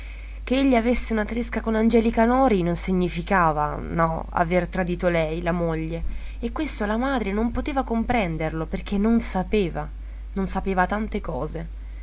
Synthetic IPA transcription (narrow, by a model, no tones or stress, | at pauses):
k̟eeʎːiavesːeunat̪ɾeskakonand͡ʒɛːlikanɔːɾinonsiɲːifikaːva̰nɔ̰a̰vert̪ɾad̪iːt̪olɛjlamoʎːe | ekːwest̪olamaːd̪ɾenompot̪eːvakompɾɛnd̪erloperk̟ʰenːonsapeːva | nonsapeːvat̪ant̪ekɔːze